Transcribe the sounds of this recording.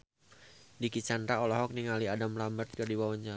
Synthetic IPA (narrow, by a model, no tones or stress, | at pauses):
dikit͡ʃanɾaɔlɔɦɔk̚niŋaliadamlambərt̪̚kərdiwawaɲd͡ʒa